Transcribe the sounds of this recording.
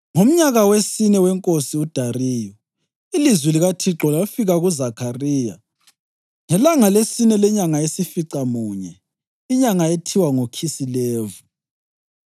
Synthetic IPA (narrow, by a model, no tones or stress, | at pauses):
ŋom̩ɲaɣawesinɛwɛŋkʼosiud̥ʱariːjɔ | ilizwiliɣatʰiǁɔlafiɣaɣuzakʰariːja | ŋɛlaŋalesinɛlɛɲaŋaesifiǀamuːɲɛ | iɲaŋaetʰiwaŋokʰisilɛːvu